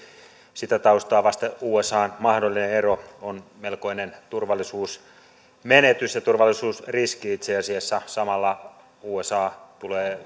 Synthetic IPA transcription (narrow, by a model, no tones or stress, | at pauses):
sit̪æt̪ɑust̪ɑːʋɑst̪euːesɑːnmɑhdolːineeroonmelko̞inent̪urʋɑlːisuːs | menet̪ysjɑt̪urʋɑlːˑisuːsriskiit̪seɑsiesːæsɑmɑlːɑ | uːesɑːt̪uleː